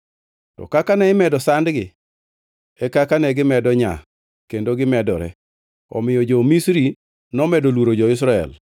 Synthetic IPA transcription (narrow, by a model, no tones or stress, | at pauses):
tɔ̰kakanɛɪmɛdɔsandɡɪ | ɛkakanɛɡɪmɛdɔɲa̰ | kendoɡɪmɛdɔ̰ɾɛ̰ | ɔ̰mɪjɔd͡ʒomisɾi | nɔmɛdolwoɾod͡ʒɔɪs̬ɾaɛ̰l